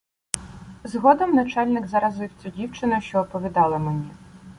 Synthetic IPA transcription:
zɦɔd̪ɔmnɐt͡ʃɑlʲnɪɡzɐɾɐzɪwt͡sʲʊdʲiwt͡ʃɪnɐʃt͡ʃɔːpɔʋʲid̪ɑlˠɐmenʲi

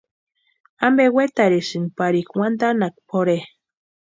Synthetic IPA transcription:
ambewet̪aɾiʃɨnpaɾikwand̪anak̚poɾe

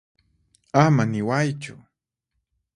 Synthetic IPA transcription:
amanɪwajt͡ʃʊ̰

